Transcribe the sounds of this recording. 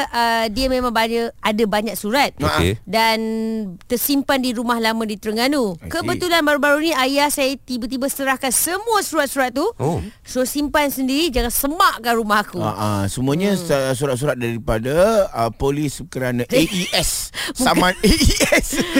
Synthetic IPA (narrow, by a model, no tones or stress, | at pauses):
ʔədiəmẽmãŋbaɲəadabaɲak̚suɾat̪̚ʔḛdant̪ərsimpandiɾumahlamadit̪əɾəŋanukəbət̪ulanbaɾubaɾunĩajahsajat̪ibat̪̬ibasə̥t̪əɾahkansəmũasuɾat̪̚suɾat̪̚ːuo | sosimpansəndiɾid͡ʒaŋansəmaʔkanɾumaɦakua̰ʔa̰səmũaɲãsuɾat̪̚s̬uɾat̪̚daɾipadaəpoliskəɾanaʔeʔiʔɛssamaneɛs